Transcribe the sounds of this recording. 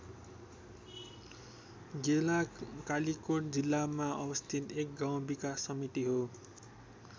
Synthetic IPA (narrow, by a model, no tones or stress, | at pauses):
ɡelakalikoʈd͡zilːamaʌbʌst̪ʰit̪ek̚ɡaw̃bikasːʌmit̪iɦo